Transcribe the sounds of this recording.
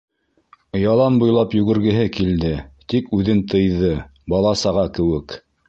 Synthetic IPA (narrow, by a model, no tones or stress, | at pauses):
ɤ̆jɑlˠɑnbŏjlˠɑpjɵ̆ɡɘ̆ɾɡɘ̆ɦɘkild̪ɘt̪ikʉðɘnt̪ʰɤ̆jðɤbɑlˠɑsɑʁɑkɘ̆wɘk